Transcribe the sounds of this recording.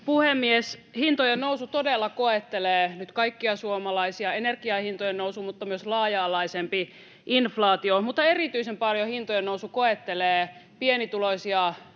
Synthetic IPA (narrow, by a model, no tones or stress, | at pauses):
puhemːieshint̪ojennousut̪odelːɑkoet̪ːeleːnyt̪kɑikːiɑsuomɑlɑisiɑenerɡ̥iɑhint̪ojennousumut̪ːɑmyøslɑːjɑːlɑisempi | ʔinflɑːt̪iomut̪ːɑerit̪yisempɑljohint̪ojennousukoet̪ːeleːpienit̪ulosiɑ